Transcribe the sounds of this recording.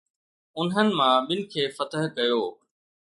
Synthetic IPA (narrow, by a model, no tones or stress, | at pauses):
ʊnɦənɪ̆mãɓɪlkʰeːfɐt̪əɦkɐjoː